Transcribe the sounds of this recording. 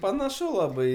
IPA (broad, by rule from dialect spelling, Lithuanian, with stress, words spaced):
pɐnɐˈʃʊ lˠɐˈbɐɪ